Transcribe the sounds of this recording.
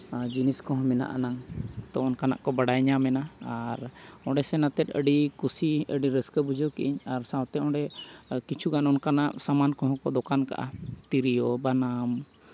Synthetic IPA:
d͡ʒiniskɔɦɔ̃mɛna̰ʔa̰naŋt̪ɔ̃ɔnkana̰ʔkɔbaɽajɲamɛnaaɾ | ɔ̃ɖɛsɛnat̪ɛt̪̚ˀə̰ɖikusiəɖiɾəskəbud͡ʒɔkiʔiɲaɾsãwt̪ɛɔ̃ɖɛ | kit͡ʃʰuɡanɔnkanaʔsamankɔ̃ɦɔ̃kɔd̪ɔkanka̰ʔa̰t̪iɾijɔbanam

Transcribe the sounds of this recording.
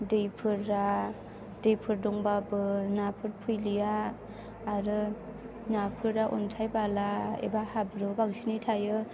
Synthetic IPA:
dejpʰɯɾːa | dejpʰɯɾdɔŋbabɯnapʰɯɾpʰujlijaː | ɾɯ | napʰɯɾaʔɔ̰ntʰajbalaḛbahabɾɯbaɡsinijtʰajɯ

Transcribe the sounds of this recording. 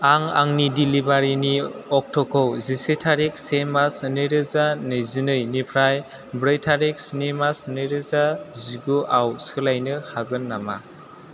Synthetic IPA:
aŋa̰ŋnidilibaɾiniɔk̚tʰɔkʰɔwzisetʰaɾik̚semasnɯɾɯzanɯjzinɯjnipʰɾaj | bɾajtʰaɾik̚sinemasnɯjɾɯzaziɡuʔawsɯlajnɯhʰaɡɯnːama̰

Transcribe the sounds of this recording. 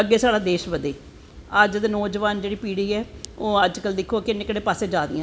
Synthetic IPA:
əɡːeːsaːɽaːd̪eːʃʋəd̪eː | əd͡ʒd̪enɔːd͡ʒʋaːnd͡ʒeːɽiːpiːɽiːɛːoːəd͡ʒkəld̪ɪkʰːoːkɪnːẽːkəɽeːpaːseːd͡ʒaːd̪ɪ̰ãː

